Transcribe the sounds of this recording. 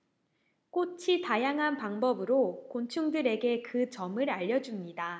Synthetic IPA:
k͈ot͡ɕʰitajaŋɦanpaŋbʌbɯɾokont͡ɕʰuŋdɯɾe̞ɡe̞kɯt͡ɕʌmɯɾaʎːʌd͡ʑumɲida

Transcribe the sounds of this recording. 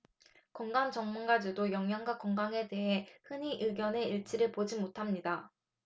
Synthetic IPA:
koŋɡaŋt͡ɕʌŋmunɡad͡ʑidojʌŋɦjaŋɡwakoŋɡaŋe̞te̞ɦe̞hɯɲiʔɯɡjʌne̞iɭt͡ɕ͈ʰiɾɯɭpod͡ʑimotʰamɲida

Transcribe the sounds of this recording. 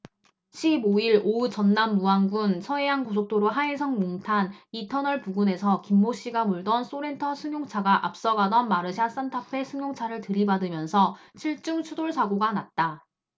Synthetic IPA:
ɕʰiboiɾout͡ɕʌnːamːuaŋɡunsʰʌe̞jankosʰok̚t͈oɾoɦaesʰʌŋmoŋtʰanitʰʌnʌɭpuɡune̞sʰʌkimːoɕ͈iɡamuɭdʌns͈oɾe̞ntʰʌsʰɯŋjoŋt͡ɕʰaɡaʔap̚s͈ʌɡadʌnmaɾɯɕʰias͈antʰapʰe̞sʰɯŋjoŋt͡ɕʰaɾɯɭtɯɾibadɯmjʌnsʰʌt͡ɕʰiɭt͡ɕ͈uŋt͡ɕʰudoɭsʰaɡoɡanat̚t͈a

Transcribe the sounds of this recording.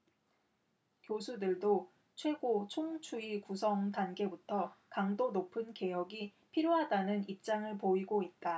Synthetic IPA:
kjosʰudɯɭdo | t͡ɕʰwe̞ɡot͡ɕʰoŋt͡ɕʰuikusʰʌŋdanɡe̞butʰʌkaŋdonopʰɯnke̞jʌɡi | pʰiɾjoɦadanɯnip̚t͡ɕ͈aŋɯɭpoiɡoit̚t͈a

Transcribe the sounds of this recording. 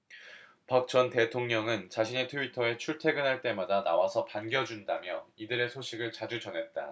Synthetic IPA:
pak̚t͡ɕ͈ʌnte̞tʰoŋɲʌŋɯnt͡ɕaɕʰine̞tʰuitʰʌe̞t͡ɕʰuɭtʰe̞ɡɯnɦaɭt͈e̞madana̰wasʰʌpanɡjʌd͡ʑundamjʌidɯɾe̞sʰoɕʰiɡɯɭt͡ɕad͡ʑud͡ʑʌnɦe̞t̚t͈a̰

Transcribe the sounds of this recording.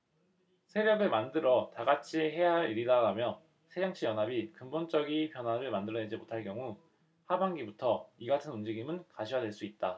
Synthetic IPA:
sʰe̞bjʌɡɯɭmandɯɾʌtaɡat͡ɕʰieɦe̞jaɾiɾidaɡamjʌ | sʰed͡ʑaŋt͡ɕʰijʌnɦabikɯmbont͡ɕ͈ʌɡipjʌnɦwaɾɯɭmandɯɾʌne̞d͡ʑimotʰaɭk̬͈jʌŋu | habaŋɡibutʰʌiɡatʰɯnund͡ʑiɡimɯnkaɕʰijadwe̞ɭs͈uit̚t͈a

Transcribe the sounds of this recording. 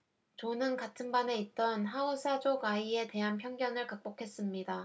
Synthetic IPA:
t͡ɕonɯnkatʰɯnbane̞it̚t͈ʌnɦaosʰad͡ʑoɡaie̞te̞ɦanpʰjʌŋɡjʌŋɯɭkak̚p͈okʰe̞s͈ɯmɲida

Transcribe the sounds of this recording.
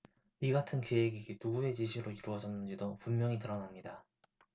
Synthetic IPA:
iɡatʰɯnke̞eɡiɡinuɡue̞t͡ɕiɕʰiɾoiɾuwʌd͡ʑʌnːɯnd͡ʑidopumːjʌŋitɯɾʌnamɲida

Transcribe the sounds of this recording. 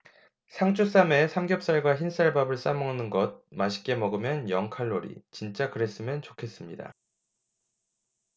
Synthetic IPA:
sʰaŋt͡ɕʰus͈ame̞sʰamɡjʌp̚s͈aɭɡwaçins͈aɭbabɯɭs͈amʌŋnɯnɡʌd̚maɕʰi̥k͈e̞mʌɡɯmjʌnjʌŋkʰaɭːoɾḭt͡ɕint͡ɕ͈akɯɾe̞s͈ɯmjʌnt͡ɕokʰe̞s͈ɯmɲida̰

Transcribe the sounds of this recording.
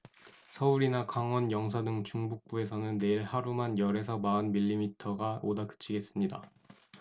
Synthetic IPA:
sʰʌuɾinakaŋwʌnjʌŋsʰadɯŋt͡ɕuŋbuk̚p͈ue̞sʰʌnɯnːe̞iɭhaɾumanjʌɾe̞sʰʌmaɯnmiʎːimitʰʌɡaodakɯ̥t͡ɕʰiɡe̞s͈ɯmɲida

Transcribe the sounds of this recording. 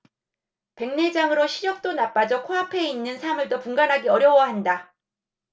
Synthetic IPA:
pe̞ŋne̞d͡ʑaŋɯɾoɕʰiɾjʌk̚t͈onap͈ad͡ʑʌkʰoapʰe̞inːɯnsʰamɯɭdopuŋɡanɦaɡiʌɾjʌwʌɦanda

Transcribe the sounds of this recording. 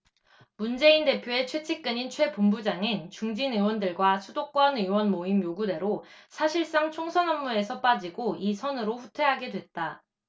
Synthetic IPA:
mund͡ʑe̞inde̞pʰjoe̞t͡ɕʰwe̞t͡ɕʰik͈ɯɲint͡ɕʰwe̞pombud͡ʑaŋɯnt͡ɕuŋd͡ʑinɯwʌndɯɭɡwasʰudok͈wʌnɯwʌnmoimjoɡude̞ɾosʰaɕʰiɭs͈aŋt͡ɕʰoŋsʰʌnʌmːue̞sʰʌp͈ad͡ʑiɡoisʰʌnɯɾoɸutʰwe̞ɦaɡe̞dwe̞t̚t͈a

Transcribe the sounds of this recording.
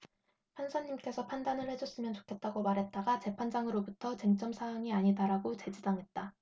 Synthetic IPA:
pʰansʰaɲːimk͈e̞sʰʌpʰandanɯɭhe̞d͡ʑʌs͈ɯmjʌnt͡ɕo̥kʰe̞t̚t͈aɡomaɾɦe̞t̚t͈aɡat͡ɕe̞pʰand͡ʑaŋɯɾobutʰʌt͡ɕeŋt͡ɕ͈ʌmsʰajaŋiaɲidaɾaɡot͡ɕe̞d͡ʑidaŋɦe̞t̚t͈a

